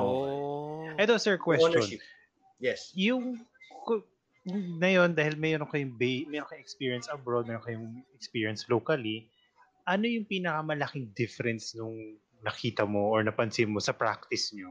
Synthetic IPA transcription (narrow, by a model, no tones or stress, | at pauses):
o | ʔɛt̪osɛɹkwɛsɔn | jɛsjʊŋk | nɐjo̞nd̪aːhɪlmɛjoɾoŋkɐjʊŋbemɛjɾonkɐjɛkspiːɹiɐnsɐbɹod̪̚mɛːɾonkɐjʊŋɛk̚spiːɹiɐnslokɐli | ʔɐno̞jʊŋpiːnɐkɐmɐlɐkɪŋd̪ɪfɛɾɛnsnʊŋ | nɐkiːt̪ɐmoʔoɹnɐpɐnsɪnmosɐpɹa̰k̚t̪ɪsɲo